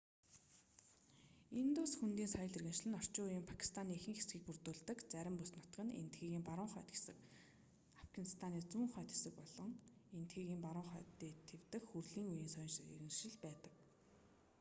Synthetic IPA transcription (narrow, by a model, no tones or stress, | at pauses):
int̪uːsxunt̪iːnsajə̆ɮirɣɘ̆nʃ̆ɮɘ̆nɔr̥t͡ɕʊːjɪ̆mpʰḁkʰi̥st̪ʰaniːexɘ̆ŋxesɡiːk̚pur̥t̪uːɮt̪ə̆kt͡sæɾʲɪ̆mpusnɔt̪̆ɡɘ̆nḛnt̪ɡiːɣiːmpaɾʊːŋχœːt̪e̥sɘ̆k | afɡanist̪ʰaniːt͡suːŋχœːt̪xe̥sɘ̆k̚pɔɮɞ̆ŋent̪xiːɣiːmpaɾʊːɴχœːt̪iːt̪ʰːewt̪ɘ̆kxurɮiːŋujiːnsœjnʃḭrɣɘ̆ŋʃɪ̆ɮpæːt̪ə̥̆k